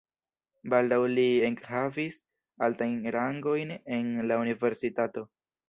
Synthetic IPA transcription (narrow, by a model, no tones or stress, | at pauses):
baldawlieŋkhavis | altajnɾaŋɡo̞jne̞nlaunive̞ɾsitato̞